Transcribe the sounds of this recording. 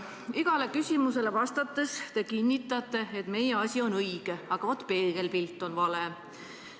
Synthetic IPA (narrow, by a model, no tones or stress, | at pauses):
iɡ̥ɑle̞kysʲimuse̞le̞vɑst̪ɑt̪ːˑe̞st̪e̞kinʲːit̪ːˑɑt̪ːˑe̞et̪me̞jeɑsʲio̞nɤiɡ̥e̞ɑɡ̥ɑot̪pe̞ːɡ̥e̞lpilt̪ːˑo̞nvɑle̞